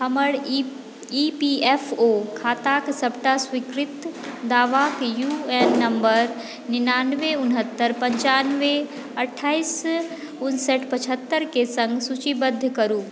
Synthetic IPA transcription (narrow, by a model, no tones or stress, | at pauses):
ɦɐməɽ | ipieːfʰokʰaːt̪aːksɐbʈasʋikɾɪt̪d̪aːʋakjueːnːɐ̃mbəɾ | nɪnaːnʋeʊnɦət̪ːəɾpɐ̃ɲt͡ʃaːnʋe | ɐʈʰːaːis | ʊnsəʈʰpɐt͡ʃʰət̪ːəɾkesɐ̃ŋɡsut͡ɕibəd̪ʱːkɐɾuː